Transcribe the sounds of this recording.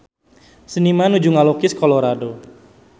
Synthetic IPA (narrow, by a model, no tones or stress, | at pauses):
sənimanud͡ʒuŋalokɪskɔloɾado